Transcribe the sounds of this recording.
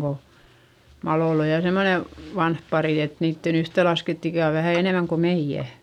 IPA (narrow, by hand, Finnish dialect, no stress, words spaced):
ko mɑlolː oj jɑ semːone ʋɑnh pɑriˑ et niːtːen yhtelɑsketː ikæˑ o ʋæhæˑ eneˑmæŋ ko meij̆æ